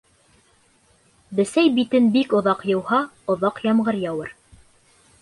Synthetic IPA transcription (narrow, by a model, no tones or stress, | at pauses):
bɘ̆sæjbit̪ɘnbikŏðɑqjɤ̆whɑ | ŏðɑqjɑmɢɤɾjɑwɤɾ